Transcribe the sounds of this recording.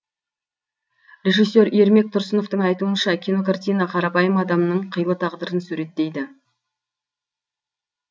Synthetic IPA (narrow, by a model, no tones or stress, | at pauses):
rʲe̞ʒisːe̞ɾe̞ɾme̞k̚t̪ʰʊɾsəno̞ft̪əɴɑjt̪uənʃɑkʲʰino̞kart̪ʲijnɑqʰɑɾɑpɑjəmɑd̪ɑmnəɴqʰəjlˠət̪ʰɑʁd̪əɾənsʉɾe̞t̪ːe̞jd̪ɪ